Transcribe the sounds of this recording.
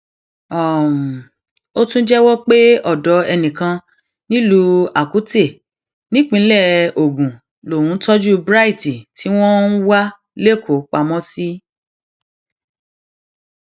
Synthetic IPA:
ɔ˨m̩˨ | o˦tũ˦d͡ʒɛ˦wɔ˦k͡pe˦ɔ˦˨dɔ˨˦ɛ˧nĩ˨kã˧ | nĩ˦lu˧a˨ku˨˦te˦˨ | nĩ˦k͡pĩ˧˦lɛ˦˨o˨ɡũ˨ | lo˨wũ˨˦tɔ˦d͡ʒu˦bɾa˦i˦˨ti˨tʰi˨˦w̃ɔ̃˦n̩˦wa˦ | le˦˨kʰo˨k͡pa˧mɔ̃˦si˦

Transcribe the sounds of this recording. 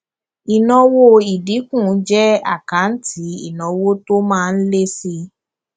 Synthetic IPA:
i˨nɔ̃˧wo˧i˨di˨˦kũ˦˨˦d͡ʒɛ˦a̰˦˨kã˨˦n̩˦ti˨˦ḭ˦˨nɔ̃˨˧wo˦to˦mãː˦˧n̩˦le˦si˧

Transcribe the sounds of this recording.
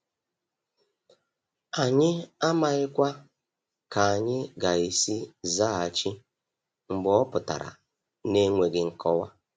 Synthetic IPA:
a˨ɲɪ˦a˦ma˨ɣɪ˦kʷa˦ | ka˨a˨ɲɪ˦ɡa˨i˨si˦za˦˨a˨t͡ʃi˦ | ŋ͡m̩˨ɡ͡bɔ˦pʊ˨ta̰˨ɾa̰˨ | ne˦ŋʷe˨ɡɪ˨ŋ̩˨kɔ˦wa˦

